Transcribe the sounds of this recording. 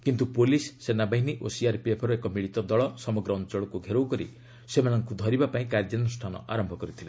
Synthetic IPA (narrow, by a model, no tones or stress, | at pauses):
kint̪upolisːenabaɦiniʔosiaɾpepʰɔɾuekɔmiɭit̪ɔd̪ɔɭɔsɔmɔɡɾɔːnt͡ʃɔɭɔkuɡʱeɾowkɔɾḭ | semanɔŋkud̪ʱɔɾibapaĩkaɾd͡ʒanusʈʰanɔ̰ʔaɾɔmbʱɔkɔɾit̪ʰile